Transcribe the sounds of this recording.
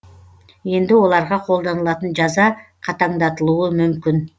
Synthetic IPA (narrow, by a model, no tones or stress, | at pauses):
e̞nd̪ɪo̞lˠɑɾʁɑqʰo̞lˠd̪o̞nɯlˠɑt̪ənd͡ʒɑzɑqʰɑt̪ɑɴd̪ɑt̪ɯlˠuːumymkyn